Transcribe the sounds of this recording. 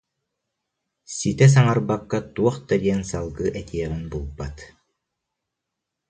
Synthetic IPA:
sit̪ɛs̬aŋaɾbakːat̪uɔχt̪ad̪iɛnsalˠɡɯʔɛt̪iɛʁinbulˠbat̪

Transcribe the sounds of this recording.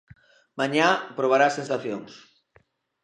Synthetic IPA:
mãɲapɾoβ̞aɾasensaθjoŋs

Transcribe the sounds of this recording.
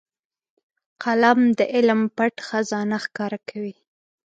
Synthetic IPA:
qalamd̪əʔɪlmpaʈxazɑnaxkɑɾakʰawi

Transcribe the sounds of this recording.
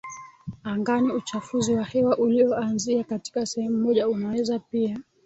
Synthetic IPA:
aŋɡaniut͡ʃafuziwahɛwaʔuliɔanziakati̥kasɛhɛmumɔʄaunawɛzapia

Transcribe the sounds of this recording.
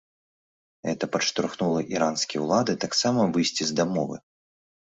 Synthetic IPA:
ɣɛt̪ɐpɐʂt̪ɾuxnulˠɐʔiɾanskʲiɛwlˠad̪ɨt̪aksamɐvɨjsʲt͡sʲizd̪amɔvɨ̰

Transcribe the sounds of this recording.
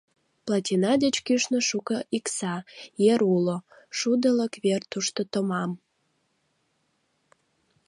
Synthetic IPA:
plɑt̪ʲinɑd̪ət͡ɕkyʃnə̆ʃukəʔiksɑjeɾulo | ʃud̪ələkβert̪uʃt̪ot̪əmɑm

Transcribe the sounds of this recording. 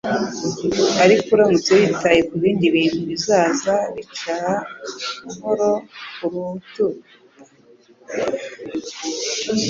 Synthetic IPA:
aɾikuɾamut͡seβitajekuβiːndiβiːn̥huβizaːzaɾit͡ʃaa | ɦoɾokuɾutu

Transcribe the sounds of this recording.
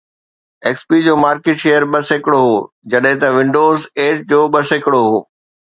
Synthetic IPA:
eːkspid͡ʑoːmaːɾkeːʈʃejəɾɓɐsekɪɽoɦoː | d͡ʑɐɗɦɪ̃t̪ɐʋɪ̃ɳɖoːzeːʈ̚d͡ʑoːɓɐsɪkɪɽoɦo̰ː

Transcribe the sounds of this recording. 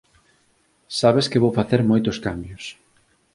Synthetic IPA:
saβ̞eskɪβowfaθeɾmojt̪oskambjos

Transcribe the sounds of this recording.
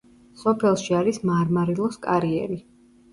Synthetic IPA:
sɔpʰɛlˠʃiaɾismaːɾmaɾilˠɔskʼaɾiɛ̰ɾi

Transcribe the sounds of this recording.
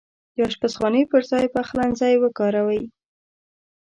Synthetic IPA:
jɑʃpasχɑnəjpəɾzɑjpaxlanzɑjwəkɑɾawaj

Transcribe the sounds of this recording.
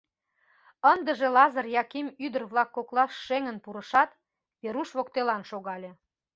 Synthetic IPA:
ənd̪əʒelɑzərjɑkemyd̪ərβlɑkːoklɑʃːeŋənpuɾəʃɑt̪ | βeɾuʃβokt̪elɑnʃoɣɑlʲe

